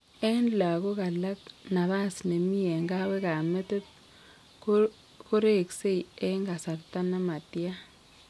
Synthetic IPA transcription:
e˦nla˨ko˦ka˨la˦k̚na˨βa˦sne˨mi˦e˨ŋɡa˦wɛ˦ka˨me˦to˦t̚ | ko | ko˦ɾe˦˨kse˦ie˦ŋɡa˨sa˨rta˦na˦ma˨tja˦

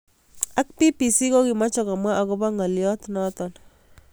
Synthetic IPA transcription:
a˦k̚pi˦pi˨si˦ko˦ki˨ma˦t͡ʃɔ˨ka˨mwa˦ʔa˨kɔ˦ba˦ŋa˨ljɔ˦tnɔtɔn

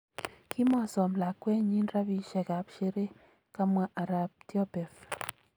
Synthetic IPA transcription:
kʰi˦mɔ˨sɔ˨mla˨kwɛ˦ɲi˦nra˦bi˨ʃɛ˨ka˨pʃe˦ɾe˦ | ka˦mwa˦ʔa˨ɾa˨p̚tjɔ˦pɛ˨f

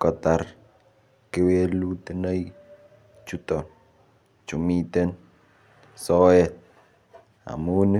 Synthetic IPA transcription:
kɔ˨t̪a˨r | ke˦we˦lu˦t̪i˦nə˦i | t͡ʃu˦tɔ˨n | t͡ʃu˨mi˦t̪e˦n | sɔ˦ɛ˦t̚ | a̰˨mu˦nɪ˦

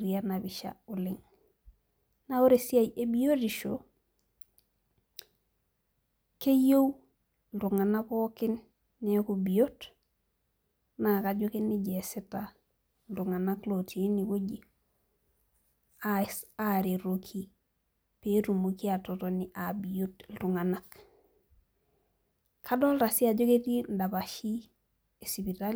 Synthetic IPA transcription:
ɾia˦na˨βɪʃa̰ʊ˨lɪ˦ŋ | na˦o˦ɾesi˦a˨jʔe˦bi˦o˦diʃo | ke˦jo˦w | ndʊ˨ŋa˨na˦kɔ˦kɪ˦nː | ɛ˦kubio˦t | nakad͡ʒo˦ke˦nɪ˦d͡ʒɛsɛ˦ta | ldu˨ŋa˨na˦kloti˨e˦ni˨ko˦ɟi˦ | aaɾe˨ɾokʰi˦ | petu˨moki˦ato˨toni˨ʔabi˨jotl̩tu˨ŋa˨nak | ka˦dɔ˦lɾa˨si˦a˨d͡ʒo˦ke˦ti˦nda˨ba˨ʃi˦ | e˨sibi˨ta˦l

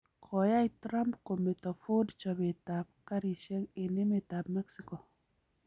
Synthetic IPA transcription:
kʰɔ˨ja˦ɪ˦tɾa˦mpko˨me˨tɔ˨fo˦dt͡ʃɔ˨be˨ta˨p̚ka˦ɾi˨ʃe˦ŋɪ˨nɪ˦me˦˨ta˨pmɛ˦ksi˦ko˨

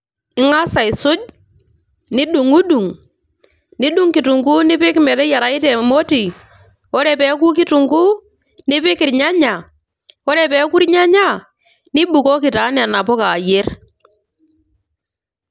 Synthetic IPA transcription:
ɪ˦ŋa˦sa˨ɪ˨sʊ˦d͡ʒ | ni˦ɗu˨ŋu˦ɗu˨ŋ | ni˦ɗu˦ŋki˨tu˨ŋku˦nɪ˦pɪ˦kmɛ˨tɛ˦ja˨ɾa˨ɪ˦te˨mo˦ti˨ | o˦ɾe˨pe˨˦k̬u˦k̬i˦tu˨ŋɡu˦ | nɪ˦pɪ˦kɪ˨ɾɲa˦ɲa˨ | o˦ɾe˨pɛ˨˦ku˦ɾɲa˦ɲa˦ | ni˦ɓu˨ko˦kɪ˨ta˨˦n˦a˨na˨pɔ˦ka˨je˦r

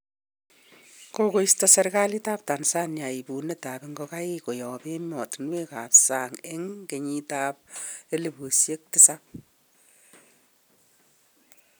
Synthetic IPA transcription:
koko˦istɔ˦seɾka˦li˦ta˦p̚ta˨nsa˦nja˨i˨bu˨ne˦ta˨peŋɡoka˦i˦ko˨jɔ˨pe˦mɔ˨tnwe˦ka˨psa˨ŋe˦ŋke˨ɲi˦ta˦p̚e˦le˨bo˨sje˦k̚tɪsap̚

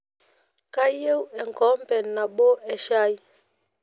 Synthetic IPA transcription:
ka˦je˦wɛ˨ŋ˨kɔ˨˦m˦pɛ˨nna˨ɓo˦ɛ˨ʃa˦i˦

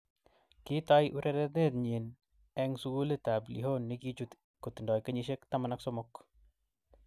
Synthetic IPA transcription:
ki˦ta˦jʔu˦ɾʔeɾet̪̚ne˦t̪ɲe˨n | ɛ˦ŋsu˦ɡu˦le˦t̪a˨blḭ˨ɦho˦nːi˦ki˦t͡ʃu˦t̪ | ko˨t̪ndɔ˨jkə˦ɲiʃ̬e˦kt̪ama˨naksɔ˦mɔk

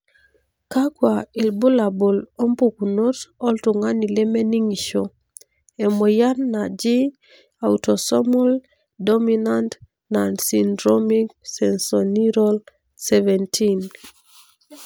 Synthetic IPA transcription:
ka˦kwa˨i˨lbʊ˦la˨bo˨lo˦mpo˨ku˨no˦tɔ˦ltʊ˨ŋa˦ni˨le˦mɛ˦ni˦ŋi˨ʃo˨ | ɛ˨mo˨ja˦nːa˨d͡ʒi˦ | a˨utɔ˨sɔ˦mɔ˦l | dɔ˦minant | nandsindɾomi˦k̚sɛnsɔni˦ɾol | sɛ˦vɛ˨ntʰin

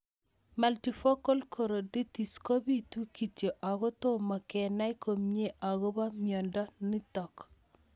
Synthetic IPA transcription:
ma˨lti˨fo˦ko˦lkʰo˨ɾo˨di˦ti˨sko˦bi˦tu˦ki˨tje˨ʔa˨ɡɔ˦to˦ma˨kɛ˨na˦jko˨mɲe˦ʔa˨ɡɔ˦ba˦mjɔ˨ndɔ˦ni˦tɔ˨k

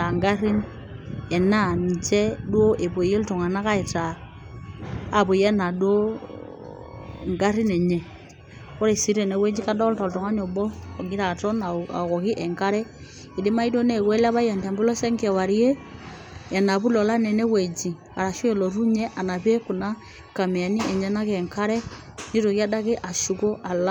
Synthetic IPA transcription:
a˨ŋɡa˦ɾi˦n | ɛ˨na˦˨n˨t͡ʃɛ˦dwo˦ʔe˨bo˨je˦ltɔ˨ŋa˨na˦ka˦i˨ta˨ | bo˨je˦na˨do˦ | ŋɡa˦ɾi˦nɛ˨ɲɛ˨ | kɔ˦ɾe˨si˨˦ɾe˨ne˨˦we˦d͡ʒi˦ka˦dɔ˦lta˨ltɔ˨ŋa˦ɲɔ˨bɔ˦kɔ˨ɡi˦ɾa˨tɔ˦na˨a̰˨kɔ˨ki˦ʔɛ˨ŋka˦ɾɛ˦ | i˨de˦ma˦i˦do˦nɛ˨kwɛ˦la˦βa˦ja˨nta˨mbi˦lɔ˦sɛ˦ŋkɛ˨wa˨ɾi˦e˦ | a˨na˨βu˦lɔ˨la˦nɛ˨nɛ˦wɛ˨d͡ʒi˨ | a˨ɾa˨ʃu˦ɛ˨lɔ˨ɾu˦ɲɛ˦ʔa˨na˨βe˦ku˨na˦ | ka˨mɛ˨a˨ni˦ɛ˨ɲɛ˦na˦kɛ˨ŋka˦ɾɛ˦ | ni˦ɾo˨ka˦da˦ke˦ʔa˨ʃu˨ko˦ʔa˨la˦

